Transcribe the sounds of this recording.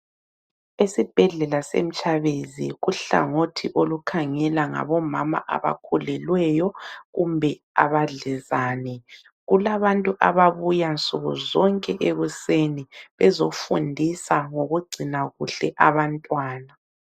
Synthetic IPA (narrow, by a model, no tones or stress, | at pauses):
esib̥ʱɛɮɛlasḛm̩t͡ʃʼaβezḭɣuɬa̰ŋotʰiʔolukʰaŋɛlaŋa̰βɔmama̰ʔa̰βa̰kʰulɛlwɛjɔɣumbʱɛ | a̰βaɮɛzaːnɛ | ɣulaβantʼuʔaβaβujant͡sʼuɣuzɔŋkʼɛʔeɣuseniβɛzofundʱisaŋoɣuɡ͡ǀʱinaɣuɬɛʔaβantʼwaːna